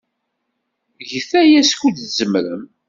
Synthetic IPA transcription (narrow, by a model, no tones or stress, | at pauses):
ʝəθæjæskud̪zəmɾəm